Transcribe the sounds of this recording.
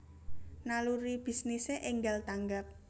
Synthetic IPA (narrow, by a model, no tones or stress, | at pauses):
naluɾib̥i̤sniseʔɪŋɡalt̪aŋɡak̚